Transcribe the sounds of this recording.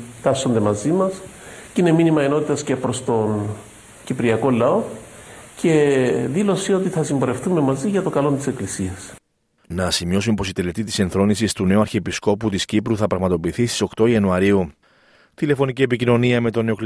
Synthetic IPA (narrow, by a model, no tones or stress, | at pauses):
t̪ɐso̞nd̪e̞mɐzimɐscine̞minimɐeno̞t̪it̪ɐscepɾo̞st̪o̞n | cipɾiɐko̞lɐo̞ | ce̞ðilo̞sio̞t̪iθɐsimbo̞ɾe̞fθume̞mɐziʝɐt̪o̞kɐlo̞nt̪ise̞klisiɐs | nɐsimio̞sunpo̞sit̪e̞le̞t̪it̪ise̞nθɾo̞nisist̪une̞uɐɾçiepisko̞put̪iscipɾuθɐpɾɐɣmɐt̪o̞piːθist̪i̥so̞kt̪o̞iɐnuɐɾiu | t̪ile̞fo̞nicie̞picino̞niɐme̞t̪o̞ne̞o̞kl